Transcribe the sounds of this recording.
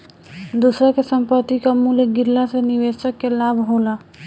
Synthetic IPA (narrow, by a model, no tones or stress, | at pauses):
d̪usɾakesə̃mpət̪ːikamuləɡɪɾlasenɪʋeːsəkːelaːbʱɦoːlaː